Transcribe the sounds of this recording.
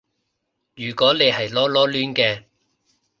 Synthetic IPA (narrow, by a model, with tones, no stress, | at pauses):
jyː˨˩kɔː˨˥ne˨˧jhɐ˨jlɔː˥lɔː˥lyː˥nkɛː˧